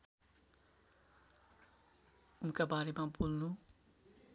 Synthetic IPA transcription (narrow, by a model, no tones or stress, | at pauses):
unkabaɾemabulnu